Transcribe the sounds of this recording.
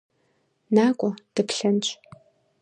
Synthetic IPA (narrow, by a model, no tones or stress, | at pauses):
naːkʷʼɔd̥ɨpɬɐnt͡ʃʼ